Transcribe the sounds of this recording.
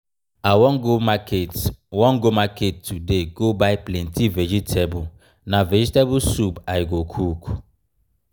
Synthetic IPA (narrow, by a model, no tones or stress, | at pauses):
awɔ̃nɡomakʰetwɔ̃ŋɡomaketːudeɡobaɪplɛ̃ntivɛd͡ʒitʰebʊ | navɛd͡ʒitebʊsupajiɡokʰuku̥